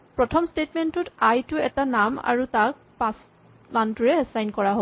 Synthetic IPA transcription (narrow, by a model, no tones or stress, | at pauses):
pɹɔtʰɔmstetmɛntʊtajtʊɛtanama̰ɹutak̚pãs | mantuɹɛɛsajnkɔɹaɦo